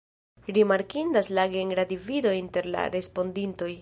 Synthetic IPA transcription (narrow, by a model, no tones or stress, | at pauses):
ɾimaɾkindaslaɡeŋɡɾadivido̞inte̞ɾla̰ɾe̞spo̞ndinto̞j